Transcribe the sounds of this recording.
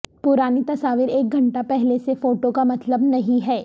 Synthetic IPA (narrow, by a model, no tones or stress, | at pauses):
pʊɾaːnit̪ɐsaːʋɪɾeːk̚ɡʱɐ̃ɳʈapɛɦlesefoːʈokamɐt̪ləbnɐɦĩɦɛː